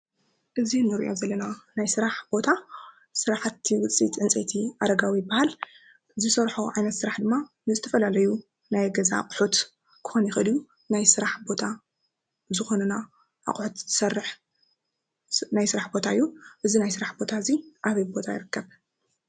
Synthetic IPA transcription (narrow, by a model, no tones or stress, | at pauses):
ʔɨzinːɨɾḭʔo̞̰zɐlːɐnanajsɨɾaħbo̞t̪ʰa | sɨɾaħat̪ːiwɨt͡sʼḭt̪ʰʼʕɨnt͡sʼḛt̪ʰiʔad̪ɐɡawibahal | zɨsɐɾħoʕajnɐt̪sɨɾaħd̪ɨmːa | nɨzɨt̪ʰɐfɐlalɐju | najɡɐza̰qʼħut̪ | kʰɨ̥xo̞njɛxɨd̪iju | najsɨɾaħbo̞t̪ʰa | zɨxo̞nɐna | ʔa̰qʼħut̪zt̪ʰɨ̥sɐrːɨħ | najsɨɾaħbo̞t̪ʰaɨjːuʔɨzinajsɨɾaħbo̞t̪ʰaɨziʔaβɐjbo̞t̪ʰajḭɾɨkːɐβ